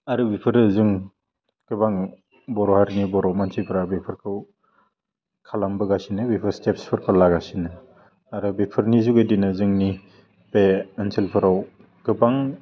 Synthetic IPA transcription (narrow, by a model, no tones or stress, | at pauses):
aɾɯbipʰɯɾɯzɯŋ | ɡ̥ɯbaŋ | bɔɾɔhaɾnibɔɾawmansʰipʰɯɾabipʰɯɾkʰɯw | kʰalambɯɡasinɯbipʰɯɾstepspʰɯɾkʰɯlaɡasinɯ | aɾɯbipʰɯɾnizuɡɯdinɯzɯŋni | beːnsʰelpʰɯɾaw | ɡ̥ɯbaŋ